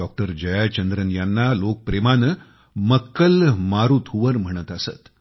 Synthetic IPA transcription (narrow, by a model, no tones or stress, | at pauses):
ɔk̚ʈəɾd͡ʑəjajt͡ɕənd̪ɾənjanːalok̚pɾemanə | məkːəlmaɾut̪ʰuʋəɾm̤əɽ̃ət̪əsə̰t̪